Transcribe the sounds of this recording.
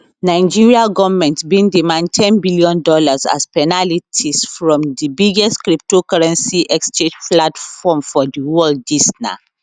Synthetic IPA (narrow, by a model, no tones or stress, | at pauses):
naɪ̃d͡ʒiɹiaɡɔvmɛ̃ntsbĩndimãnd̚tʰɛ̃nbiljɔ̃ndɔlaza̰spɛnalitʰisfɹɔ̃mdibiɡɛstkɹip̚tokaɹɛ̃nsiʔɛkst͡ʃed͡ʒplatfɔmfɔdiwɔldisna̰